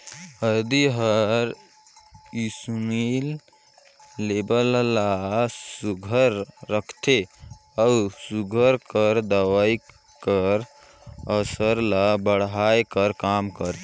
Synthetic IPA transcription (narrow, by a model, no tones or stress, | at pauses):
ɦəɾd̪iɦəɾ | isumil | ebəllasuɡʱəɾːəkʰt̪ʰe | ausuɡʱəɾkəɾd̪əwai | kəɾ | əsəɾlabəɽɦajkəɾkamkəɾt̪